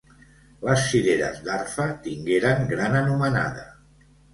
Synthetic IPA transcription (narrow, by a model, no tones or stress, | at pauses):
ləsːiðeɾə̰zd̪arfət̪iŋɡeɾəŋɡɾanənuməna̰ðə